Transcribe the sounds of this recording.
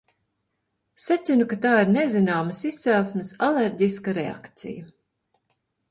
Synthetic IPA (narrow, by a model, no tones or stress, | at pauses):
sat̪sʲinukat̪aːiɾnezinaːmɐsist̪sɛlˠsmɪsaleɾɟiskaɾea̰kt̪sḭja